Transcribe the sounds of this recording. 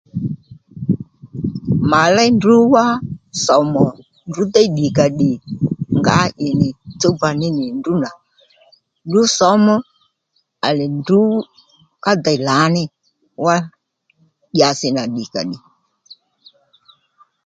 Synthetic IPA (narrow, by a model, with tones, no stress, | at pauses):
ma˨la˦ndu˦wa˦sɔ˨˦mɔ˨ | ndu˨˦d̪a˦i˦ɗi˨ka˨ɗi˨ŋɡa̰˦ʔɪ˨nɪ˨t͡so˦ba˨nɪ˦nɪ˨ndu˦na˨ | ndu˦sɔ˨˦mɔ˦ | a˨lɛ˨ndu˦ | ka˦d̪a˨i˨la˨˦nɪ˦ | wa˦ | ɗja˨sɪ˨na˨ɗi˨ka̰˨ɗi˨